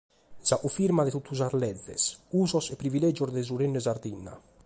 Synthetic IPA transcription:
zaʔufiɾmaðet̪ut̪ːuzaɾlɛðḛsuzosepɾivilɛd͡ʒoɾd̪ezuɾenːezaɾd̪inːa̰

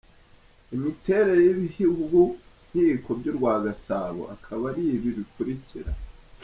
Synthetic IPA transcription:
imite̞ɾe̞ɾojiβihiɡuɡun̥hiko̞bɟoɾɡwaːɡasaβo̰ʔakʰaβaɾiβiɾikuɾiciɾa̰

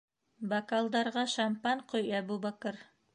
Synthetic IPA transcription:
bakalˠd̪ɑɾʁɑʃampɑɴqʰojæbubakɤɾ

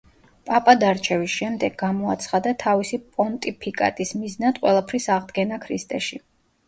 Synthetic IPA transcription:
pʼapʼad̪aɾt͡ʃʰɛvisʃɛmd̪ɛɡamɔat̪sʰχad̪at̪ʰavisipʼɔnt̪ʼipʰikʼa̰t̪ʼismiznad̪qʼwɛ̰lˠapʰɾisaʁd̪ɡɛnakʰɾist̪ʼɛʃi

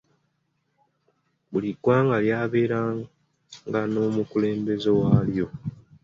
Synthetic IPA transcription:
buliɡwaːŋɡaljaːβe̞ːɾa | ŋɡano̞ːmukule̞ːmbe̞ze̞waːljo̞

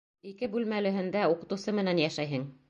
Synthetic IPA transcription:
ikɘbʉlmælɘ̆ɦɘ̆nd̪æuqɤ̆t̪ɤ̆wsɤmɘ̆nænjæʃæjɦɘŋ

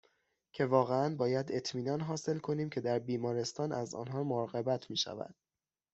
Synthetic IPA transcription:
cʰe̞vɒːɣeænbɒːjæd̪e̞t̪ʰmiːnɒːnɦɒːse̞lkʰo̞niːmcʰe̞d̪æɾbiːmɒːɾe̞st̪ɒːnʔæzɒ̰ːnɦɒːmoɾːɣebæt̪ʰmiːʃæ̰væ̰d̪̥

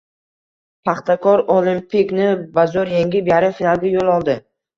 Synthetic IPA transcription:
pʰaχt̪akʰɒɾolimpiknɪbazɒɾjeŋɡʲɪbjaɾɪfinalˠɡʲajolˠɒlˠd̪ɪ

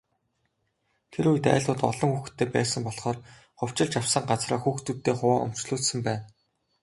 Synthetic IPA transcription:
t̪ʰeɾujt̪æ̰ːɮt̪ʊːt̪ɔ̰ɮɞ̆ŋxuxt̪ʰːeːpæːsə̆mpɔɮχɔːr | χʊw̥t͡ɕɪ̆ɮt͡ɕawsə̆ɴɢat͡sraːxuːxt̪ut̪ːeːχʊwaːʊ̰m̥t͡ɕɮuːsɘ̆mpæːn

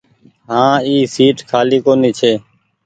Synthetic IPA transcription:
ɦãːiːsiːʈkʰaːliːkoːniːt͡ʃʰeː

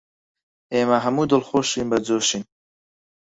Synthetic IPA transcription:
eːmɐɦɐmuːd̪ɨlxoʃinbɐd͡zoːʃin

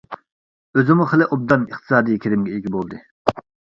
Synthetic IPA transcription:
øzɪmuχəlɪʔob̚d̪ɑnɨχt̪ʰɨ̥sɑːd̪ijkʲʰiɾɪmɡʲɛeɡʲibolˠd̪ɨ

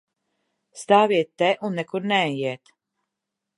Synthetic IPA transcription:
st̪aːviɛt̪ːɛʔunːɛkuɾnɛɛjiɛt̪

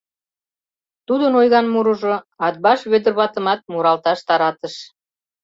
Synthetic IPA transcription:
t̪ud̪ənojɣɑnmuɾuʒo | ɑt̪̚bɑʃβød̪ə̆rβɑt̪ə̆mɑt̪̚muɾɑlt̪ɑʃt̪ɑɾɑt̪əʃ

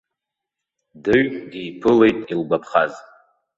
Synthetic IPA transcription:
dɨɥɡijpʰɨle̞jtʼilbapʰχaz

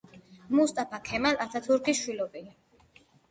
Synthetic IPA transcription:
must̪ʼapʰakʰɛmalat̪ʰat̪ʰuɾkʰiʃwilɔbia

